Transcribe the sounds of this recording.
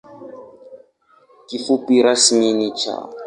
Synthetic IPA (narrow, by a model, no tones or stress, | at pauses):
kiχʊpiɾasiminit͡ʃʰa̰